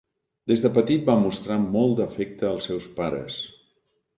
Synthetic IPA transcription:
d̪̥ezðəpət̪it̪̚bamust̪ɾamɔlˠd̪əfɛk̚t̪əːlˠsɛwspaɾə̰s

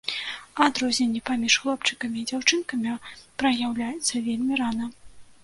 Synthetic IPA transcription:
ad̪ɾɔzʲnʲɛnʲːipamʲiʂxlˠɔpt͡ʂɨ̥kɐmʲiːd͡zʲawt͡ʂɨnkɐmʲipɾɐjawlʲajɛt̪sːɐvʲelʲmʲiɾanɐ

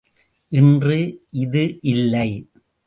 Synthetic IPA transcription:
ʔɪndrɯʔɪðɯʔɪlːɐɪ

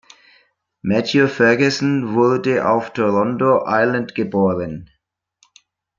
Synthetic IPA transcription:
mætʰjofɛɡəsn̩vʊɐdəʔa̰ʊftʰoʁɔndoʔaɪləntɡ̥əboːʁən

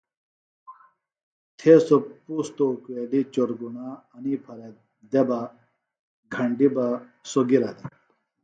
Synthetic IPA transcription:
t̪ʰesopust̪oukʋelit͡ɕoɾɡunaːnipʰɐɾe | d̪eba | ɡʱɐɳɖibasoɡiɾad̪e

